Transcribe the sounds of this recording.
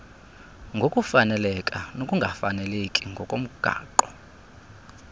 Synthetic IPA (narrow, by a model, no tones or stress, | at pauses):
ŋɡʱokʼufanɛlɛkʼanokʼuŋɡʱafanɛlekʼiŋɡʱɔkʼom̩ɡ̥ʱa̰ːǃɔ